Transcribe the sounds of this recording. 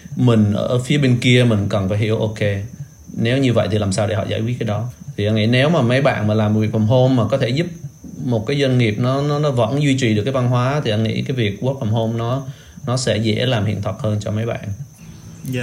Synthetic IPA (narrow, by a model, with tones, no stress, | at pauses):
mï˨˩ŋ̟ʔə̰ː˧˩fi˨˦əɓe˧nki˧əmï˨˩ŋ̟kə˨˩nfaː˧jhḭ˧˩ə˨wʔo˧ke˧ | ne˨˦wɲɨ˧və̰˧˨jt̪ʰi˨˩laː˨˩msaː˧wɗe˧˩hɔ̰˧˨za̰ː˧˩jkwi˦˥t̚kːaː˨˦ɗɔ˨˦t̪ʰi˨˩ʔa˧nŋḭ˧˥ne˨˦wmaː˨˩mə˨˦jɓa̰ː˧˨nmaː˨˩laː˨˩m˨˩vi˨˩ək̚fə˨˩wŋ͡mɦo˧mːaː˨˩kɔ˨˦t̪ʰe˧˩zu˦˥p̚mo˨˩t̚kaː˨˦jzə˧nŋi˨˩əp̚nɔ˨˦nɔ˨˦nɔ˨˦və̰˧˥nzwi˧t͡ɕwi˨˩ɗɨ˨˩əkːaː˨˦va˧nɦwaː˨˦t̪ʰi˨˩ʔa˧nŋḭ˧˥kaː˨˦jvi˨˩ək̚ku˦˥ək̚fa˨˩wŋ͡mɦo˧mnɔ˨˦ | nɔ˨˦sɛ̰˧˥zɛ̰˧˥laː˨˩mhḭ˧˨ənt̪ʰwə˨˩t̚həː˧nt͡ɕɔ˧mə˨˦jɓa̰ː˧˨nʔ